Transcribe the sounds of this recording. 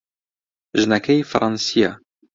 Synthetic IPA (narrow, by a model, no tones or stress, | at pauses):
ʒnækæjfɾˤɑnsija